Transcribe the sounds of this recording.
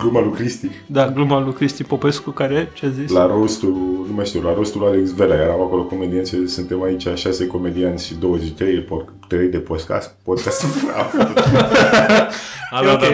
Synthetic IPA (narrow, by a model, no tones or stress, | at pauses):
ɡlumalukɾist̪id̪aɡlumalukɾist̪ipo̞peskukaɾet͡ʃeazislaɾost̪unumajʃt̪iwlaɾost̪ulaleksve̞lajeɾamako̞lo̞ko̞med̪iansesɨnt̪e̞mait͡ʃʲaʃase̞ko̞me̞d̪iant̪sʲʃid̪o̞wəzeʃt͡ʃt̪ɾejepo | t̪ɾejd̪e̞pod̪ka̰st̪̚pod̪kast̪fa̰ | aad̪